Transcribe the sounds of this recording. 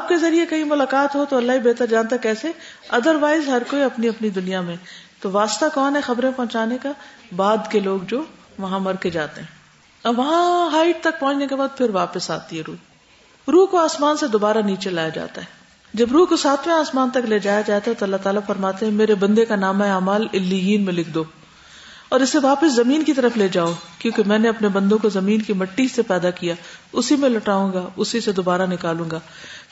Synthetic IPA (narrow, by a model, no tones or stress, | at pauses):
aːp̚kezɐɾiekɐɦimʊlaːkaːt̪ɦot̪oɐlːaɦibeːt̪əɾd͡ʒaːnt̪aɦɛkɛːse | ɐd̪əɾʋaːɪzɦɐɾkoːiɐpniɐpnid̪ʊnijamẽt̪oʋaːst̪akɔːnɦɛxɐbɾẽpɐɦʊ̃t͡ʃaːnekabaːd̪keloːɡd͡ʒoː | ʋɐɦãmɐɾked͡ʒaːt̪eɦɛ̃ː | ɐʋɐɦãɦaːɪʈ̚t̪ɐk̚pɐ̃ɦʊ̃nt͡ʃnekebaːd̪̚pʰɪɾʋaːpəsa̰ːt̪iɦɛɾuː | ɾuːɦkoaːsmaːnsed̪oːbaːɾaniːt͡ʃelaːjad͡ʒa̰ːt̪aɦɛː | d͡ʒɐbɾuːkosaːt̪ʰmẽaːsmaːnt̪ɐkleːd͡ʒaːjad͡ʒaːt̪aɦɛt̪oɐlːaɦt̪aːlafɐɾmaːt̪eɦɛ̃meːɾebɐ̃nd̪ekanaːmaɛaːmaːlɪlːijiːnmẽlɪkʰd̪oː | ɔːɾɪsːeʋaːpəszɐmiːnkit̪ɐɾəfleːd͡ʒaːokjõːkemɛ̃ːneɐpnebɐ̃nd̪õkozɐmiːnkimɐʈːisepɛːd̪akijaːʊsimẽlɐʈaːũːɡaʊsised̪obaːɾanɪkaːlũːŋ̆ɡaː